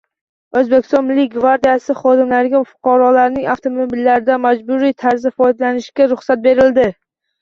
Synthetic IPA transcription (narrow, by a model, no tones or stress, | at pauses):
ɵzbekʲʰɪ̥st̪ɒnmlːiɡvaɾd̪ijasɪχɒd̪ɪmlaɾɡʲafʊ̥qʰɑɾɒlaɾnɪŋaft̪ʰomobilːaɾɪd̪amad͡ʒbʊɾit̪ʰaɾzɪfɒjd̪alanɪʃkʲaɾʊχsat̪̚be̞ɾɪld̪ɪ